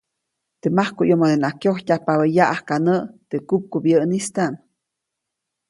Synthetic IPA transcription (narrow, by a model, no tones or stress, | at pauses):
t̪emahkuʔjomod̪enakjohtʲapaβejaʔahkanəʔt̪ekup̚kubjəʔnist̪aʔn